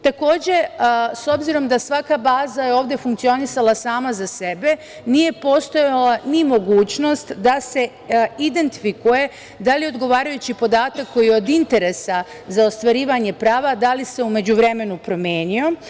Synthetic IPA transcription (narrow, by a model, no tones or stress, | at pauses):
t̪ako̞ːd͡ʑe̞so̞bziɾo̞md̪asʋakabaːzajeo̞ːʋvd̪ʲe̞fuŋkt̪sio̞nisalˠasaːmazase̞be̞ | nije̞po̞ːst̪o̞jalanimo̞ɡuːt͡ɕno̞st̪d̪ase̞ | id̪e̞nt̪i̥fikuje̞ | d̪alio̞d̪ɡo̞ʋaːɾajut͡ɕipo̞d̪aːt̪akːo̞jio̞d̪int̪e̞ɾe̞sa | zao̞st̪ʋaɾiːʋaɲe̞pɾaːʋad̪alise̞ume̞d͡ʑuʋɾe̞me̞nupɾo̞mje̞ːnio̞